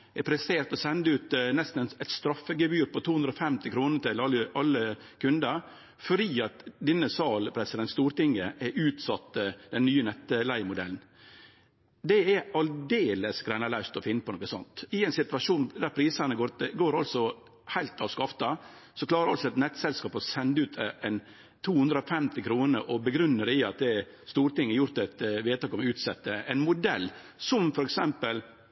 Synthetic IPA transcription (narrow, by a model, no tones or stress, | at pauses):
ɛpʰɾɛst̪eːɾt̪ɔsɛnd̪əʉːt̪nɛst̪n̩ɛnɛt̪st̪ɾɑfːəɡəbyːɾpɔt̪ʰuːhʉnd̪ɾɔfɛmt̪ɪkʰɾuːnəɾt̪ɪlɑlːəʔɑlːə | kʰʉnd̪əɾ | fɔɾiːɑt̪d̪ɪnːəsɑːlpʰɾɛsɪd̪ɛnt̪st̪uːɾʈ̪ɪŋəʔɛʔʉːt̪sɑt̪ːd̪̥ɛnnːyːənɛt̪ːəlæɪmʊd̪ɛ̰ln̩ | d̪ɛɛɑld̪eːləsɡɾæɪnɑlæɪʂt̪ɔfɪnːəpɔnɔkːəsɔ̰nt̪ɪɛɪnsɪt̪ʉʋɑʂuːnd̪æɾpʰɾiːsɑnəɡoɾɡoːɾɑlsɔ | hæɪlt̪ɑːʋskɑft̪ɑsɔkʰlɑːɾəɾɑ̰lsɔɛt̪nɛt̪ːsɛlskɑːpɔsɛnd̪əʉːt̪ʰɛn | t̪ʰuːhʉnd̪ɾəɔfɛmt̪ɪkʰɾuːnəɾʔɔbəɡɾʉnːəɾɪɑt̪̚d̪ɛ | st̪uːɾt̪ɪŋːɛɾjʊɾt̪ɛt̪ʋeːt̪ɑːkɔmʉːt̪sɛt̪ːəɛɪnmʊd̪ɛlː | sɔmfɔɾɛksɛmpəl